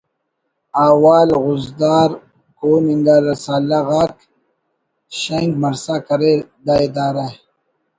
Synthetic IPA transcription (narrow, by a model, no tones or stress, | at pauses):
aːwaːlɣʊzd̪aːɾ | koːniŋɡaːɾɐsaːlaɣaːk | ɕeŋɡmɐɾsakɐɾed̪aːed̪aːɾa